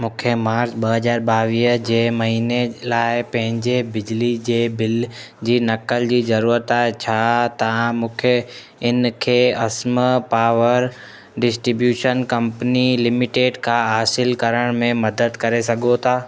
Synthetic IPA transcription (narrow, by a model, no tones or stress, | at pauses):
mũːkʰemaːɾt͡ɕɓɐɦɐzaːɾɓaːʋiːɦd͡ʑeːmɐɦiːnelaːɪpɐ̃ɦɪ̃ɲd͡ʑebɪd͡ʑlid͡ʑeːbɪl | d͡ʑiːnɐkəld͡ʑiːzɐɾuːɾət̪at͡ɕʰat̪ãmũːkʰe | ɪnkʰeːɐsmpaːʋəɾ | ɖɪsʈɾibjuːʃənkɐ̃mpənilɪmɪʈeːɖkʰaɦaːsɪlkɐɾəɽ̃mẽmɐd̪əd̪kɐɾesɐɡʱot̪ʰaː